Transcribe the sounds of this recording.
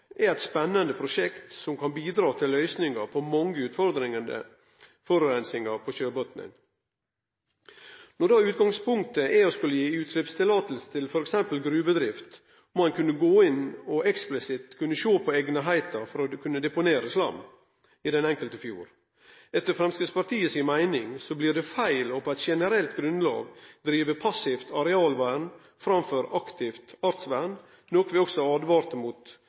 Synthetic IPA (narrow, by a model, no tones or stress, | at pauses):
ɛɛt̪spɛnːənd̪əpʰɾʊʂɛkt̪sɔmkʰɑnbiːd̪ɾɑːt̪ʰɪllːœʏsnɪŋɑɾpʰɔmɑŋːəʉːt̪fɔɾd̪ɾɪŋənd̪ə̰ | fɔɾʉɾɛnsɪŋɑɾpʰɔʃøːbɔt̪nɪ̰n | nɔd̪ɑːʉːt̪ɡɑŋspʰʊŋk̚t̪əʔɛɔskʉlːəjiːʉːt̪ʰɾɪpst̪ʰɪlɑːt̪əl̩sə̥t̪ʰɪlfɔɾɛksɛmpəlɡɾʉːbəd̪ɾɪft̪ | mɑnkʉnːəɡoːɪnɔʔɛksplɪsɪt̪kʰʉnːəʃoːpʰɔeɡnəɦæɪt̪ɑfɔɾɔkʉnːəd̪ɛpʊneːɾəslɑ̰mː | ɪd̪ɛnɛŋkəlt̪əfjṵːɾ | ɛt̪ːəɾfɾɛmskəspʰɑɾt̪ʰiːəsɪnmæɪnɪŋsɔblɪːd̪ɛfæɪlɔpɛɪt̪ʃɛnəɾɛlt̪ɡɾʉnlɑ̰ːɡd̪ɾiːʋəpʰɑsɪft̪ɑɾɛɑːlʋæːɳ | fɾɑmføːɾɑkt̪ʰɪft̪ɑɾt̪sʋæːɳ | nɔkʋɛɔɡsɔɑːd̪ʋɑːɾt̪əmuːt̪